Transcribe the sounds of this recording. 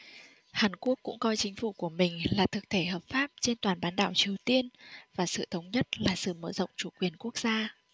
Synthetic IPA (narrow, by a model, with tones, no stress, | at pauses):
haː˨˩nku˦˥əkːʊ̰˧˥ŋ͡mkɔ˧jt͡ɕï˨˦ŋ̟fu˧˩ku˧˩əmï˨˩ŋ̟laː˨˩t̪ʰɨ˨˩k̚t̪ʰe˧˩ɦəː˨˩p̚faː˦˥p̚t͡ɕe˧nt̪waː˨˩nɓaː˨˦nɗa̰ː˧˩wt͡ɕi˨˩əwt̪i˧ənvaː˨˩sɨ̰˧˨t̪ʰə˨˦wŋ͡mɲə˦˥t̚laː˨˩sɨ̰˧˨məː˧˩zə̰˧˨wŋ͡mt͡ɕu˧˩kwi˨˩ənku˦˥ək̚zaː˧